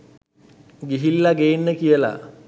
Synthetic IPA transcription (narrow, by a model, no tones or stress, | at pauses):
ɡiɦilːaɡeːnːəkijəla̰